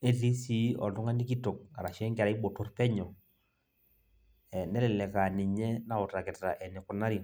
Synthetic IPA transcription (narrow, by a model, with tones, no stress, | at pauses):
ɛ˦ti˦si˦ɔ̰˨ndʊ˦ŋa˦ni˦k̬i˦to˨k̚a˨ɾa˨ʃɛ˦ŋɡɛ˨ɾa˦i˦bo˨tɔ˨rpɛ˦ɲɔ˨ | ɛ˨nɛ˦lɛ˨lɛ˨ka˨nɪ˨ɲɛ˦na˦ʊ˨ta˨kɛ˨tta̰˨ʔɛ˨nɪ˨kʊ˨na˦ɾi˨